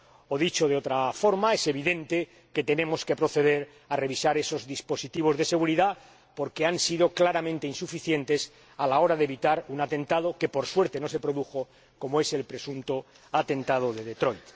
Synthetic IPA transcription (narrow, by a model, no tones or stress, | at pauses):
oðit͡ʃo̞ðeo̞t̪ɾafo̞ɾmaese̞βiðe̞nt̪e̞ | ke̞t̪e̞nẽ̞moske̞pɾo̞θe̞ðe̞ɾ | are̞β̞isaɾe̞so̞zðispo̞sit̪iβ̞o̞zðe̞se̞ɣ̞uɾiða | po̞ɾkeansið̞o̞klaɾamẽnt̪e̞insufiθje̞nt̪e̞s | alao̞ɾaðeβit̪aɾunat̪ẽ̞nt̪að̞oke̞po̞ɾswe̞ɾt̪e̞no̞se̞pɾo̞ðuxo̞ | ko̞moe̞se̞lpɾe̞sunt̪o | at̪e̞nt̪að̞oðeðet̪ɾo̞jt̪